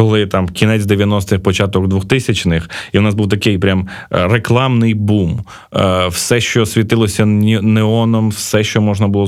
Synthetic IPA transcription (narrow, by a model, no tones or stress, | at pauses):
kɔlˠɪt̪ɑmkʲinɛt͡sʲd̪eʋʲjɐnɔst̪ɪxpɔt͡ʃɑt̪ɔɡd̪ʋɔxt̪ɪsʲɐt͡ʃnɪxiwnɑzbuwt̪ɐkɪjpɾʲamreklˠɑmnɪjbum | wsɛʃt͡ʃɔsʲʋʲit̪ɪlˠɔsʲɐneɔnɔmwsɛʃt͡ʃɔmɔʒnɐbʊlˠɔ